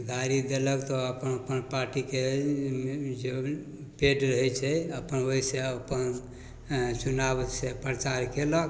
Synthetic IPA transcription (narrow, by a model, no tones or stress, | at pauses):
ɡ̪ʱaɾid̪eləkt̪ɔəpənpənpaɾʈike | d͡ʒe | peɖɾəɦɛt͡ʃʰɛəpənoɦiseəpən | t͡ʃunabsepɾət͡ʃaɾkelək